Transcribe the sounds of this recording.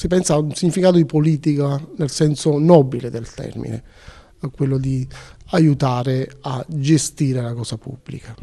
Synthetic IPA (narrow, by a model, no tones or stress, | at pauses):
sipɛnsaːunsiɲːifikaːt̪od̪ipoliːt̪ikanelsɛnsonɔbiled̪elt̪ɛ̰rmḭnḛ | kwelːod̪iajut̪aːɾead͡ʒest̪iːɾelakɔːsapṵbːlḭka